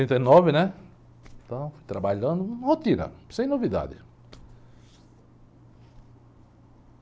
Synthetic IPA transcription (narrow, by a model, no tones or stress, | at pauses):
ẽnt̪ɐjnɔvɪnɛ̃ | t̪ɐ̃w̃fujt̪ɾabaʎɐ̃nd̪ʊ̃hot̪iɾɐ̰sẽj̃novid̪a̰d̪ɪ̰